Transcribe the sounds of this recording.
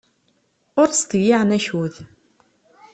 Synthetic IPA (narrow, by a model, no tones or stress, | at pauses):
ʊɾst̪jɪʕnæçuθ